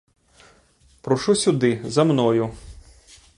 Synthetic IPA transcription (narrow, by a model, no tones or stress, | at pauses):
pɾɔʃusʲʊd̪ɪzɐmnɔjʊ